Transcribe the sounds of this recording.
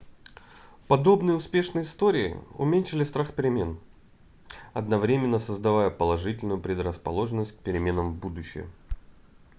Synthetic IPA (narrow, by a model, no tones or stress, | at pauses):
pɐd̪o̞bnɨjəʊspʲe̞ʂnəjɪst̪o̞ɾʲɪɪ̰ʊ̰mʲenʲʂɪlʲɪst̪ɾaxpʲɪɾʲɪmʲe̞n | ɐd̪nɐvɾʲemʲɪnːəsəzd̪ɐvajəpəlˠɐʐɨtʲɪlʲnʊjʊpɾʲɪd̪rəspɐ̰lˠo̞ʐɨnːəsʲt̚ʲk̚pʲɪɾʲɪmʲe̞nəmbud̪ʊɕːɪ̰jə̰